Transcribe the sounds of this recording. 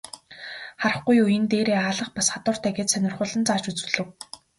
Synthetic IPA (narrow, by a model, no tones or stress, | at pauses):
χaɾə̆χɡujujɘ̆nt̪eːɾeːaːɮə̆χpasχat̪ʊːr̥t̪ʰæːɡeːt̪sœnʲɪ̆rχʊːɮə̆nt͡saːt͡ɕut͡sɘ̆ɮɘ̆w